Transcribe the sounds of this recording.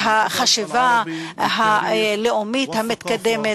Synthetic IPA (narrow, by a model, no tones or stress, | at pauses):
ɦaχaʃivaɦaleʔomithamit̪kad̪eme